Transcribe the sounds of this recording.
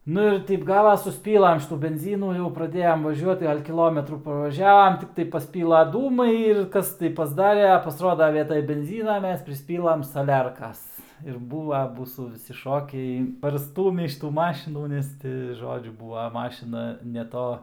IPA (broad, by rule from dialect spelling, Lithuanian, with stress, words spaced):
ˈnʊ ɪr ˈtʲɛɪp ˈɡɑːʋɐs sʊsʲˈpʲiːlˠɐm ˈʃʲɪtuː bʲɛnʲˈzʲiːnuː jɛʊ prɐˈdʲeːjɛm ʋɐˈʒʲuɔt ˈɡɐlʲ kʲɪˈlˠoːmʲɛtruː pɐʋɐˈʒʲæːʋɐm ˈtʲɪktɐɪ pɐsʲˈpʲiːlˠɐ ˈduːmɐɪ ɪr ˈkɐs tɐɪ pɐzˈdɑːrʲɛ ɐ pɐsˈroːdɐ ˈʋʲiɛtɐj bʲɛnʲˈzʲiːnɐ ˈmʲɛs pʲrʲɪsʲˈpʲiːlˠɐm sɐˈlʲɛrkɐs ɪr ˈbuːʋɐ ˈmuːsuː ʋʲɪˈsʲɪ ˈʃoːkʲɛɪ pɐrˈstuːmʲiː ʃʲɪˈtuː ˈmɑːʃʲɪnuː ˈnʲɛs tʲɪ ˈʒoːd͡ʒʲʊ ˈbuːʋɐ ˈmɑːʃʲɪnɐ nʲɛ ˈtoː